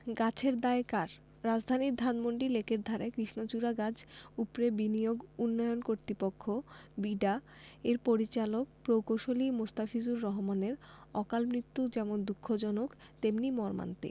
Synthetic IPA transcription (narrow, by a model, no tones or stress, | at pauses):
ɡat͡ɕʰeɾd̪aekaɾ | ɾad͡ʑd̪ʱaniɾd̪ʱanmoɳɖilekʰeɾd̪ʱaɾekɾiʃnot͡ɕuɾaɡad͡ʑupɾebinijoɡunːɔjonkoɾt̪ɾipokʰːobiɖa | eɾpoɾit͡ɕalok̚pɾowkoʃolimost̪afid͡ʑuɾːɔɦomaneɾɔkalmɾit̪ːud͡ʑɛmond̪ukʰːod͡ʑɔnokt̪emnimɔɾma̰nt̪ḭ